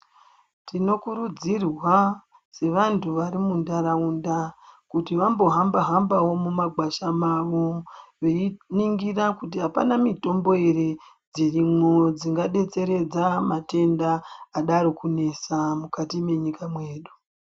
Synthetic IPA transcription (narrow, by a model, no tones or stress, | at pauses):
tino̞kuɾud͡zirwa | se̞ʋantʰuʋaɾimundaɾaundakutiʋambo̞ɦambaɦambawo̞mumaɡwaʃamaʋo̞ʋe̞niŋɡirakut̬iɦapa̰namito̞mbo̞eɾe | d͡zirimŋo̞d͡ziŋɡaɗe̞t͡se̞ɾe̞d͡zamate̞ndaːɗaɾokune̞samukatime̞ɲikamwe̞ːɗu